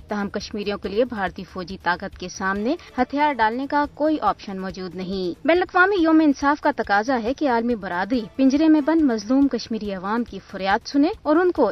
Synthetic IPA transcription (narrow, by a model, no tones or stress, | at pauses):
t̪ɐɦəmkɐʃmiːɾijõkeliebʱaːɾt̪ifɔːd͡ʒit̪aːkət̪kesaːmnehɐt̪ʰjaːɾɖaːlnekakoːiʔɔːpʃənmɔːd͡ʒuːd̪nɐɦĩbɛːnəlɐqʋaːmijoːmeɪnsaːfkat̪ɐkaːzaɦɛkeaːlmibɐɾaːd̪ɾipɪ̃ɲd͡ʒɾemẽbɐnmɐzluːmkɐʃmiːɾiɐʋaːmkifʊɾjaːt̪sʊneɔːɾʊnko